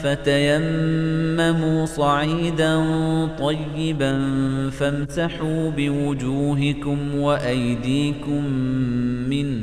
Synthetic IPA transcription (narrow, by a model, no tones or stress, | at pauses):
fat̪ajamː | amuːsˤɑʕiːd̪ant̪ˤɑjːɪbanfamsaħuːbɪwʊd͡ʒuːɦɪkʊmwaʔajd̪iːkʊmː | ɪn